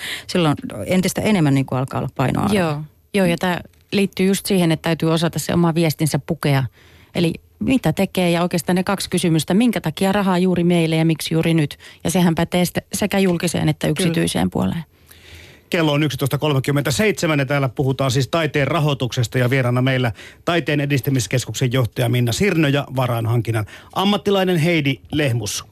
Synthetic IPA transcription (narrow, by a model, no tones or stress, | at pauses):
silːonent̪ist̪æenemːænniːŋkuɑlkɑ̰ːolːɑppɑinʔo̰ɑ̰joː | joːjɑt̪æː | liːt̪ːyːjust̪siːhenet̪t̪æyt̪yːosɑt̪ɑssḛʔo̰mɑʋiɛst̪insæppukeɑ | ʔḛli | mit̪æt̪ekeːjɑoˑikeːst̪ɑːnekɑkskysymyst̪æmiŋkæt̪ɑkiɑrɑɦɑjuːrimeilːejɑmiksjuːrinyt̪jɑsehæmpæt̪eːst̪æsekæjulkisḛːnet̪ːæyksit̪yisḛːmpṵo̰lḛː | kelːoːnyksit̪oˑist̪ɑkolmekymːent̪æseit̪semænjɑt̪æːlːæpuhut̪ɑːnsiːst̪ɑit̪eːrrɑɦot̪uksest̪ɑjɑʋieɾɑnːɑmeilːæt̪ɑit̪ˑeːnedist̪æmiskeskuksejjoht̪ɑjɑminːɑsirnojɑʋɑrɑːnhɑŋkinːɑnʔɑmːɑt̪ːilɑinenɦeidilehmus